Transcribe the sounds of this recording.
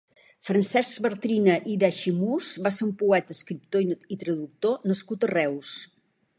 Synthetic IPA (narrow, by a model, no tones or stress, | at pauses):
fɾənsɛzbəɾt̪ɾinəʔiðaʃimusβaseɾumpuɛt̪əskɾip̚t̪oit̪ɾəðuk̚t̪onəskut̪ərɛws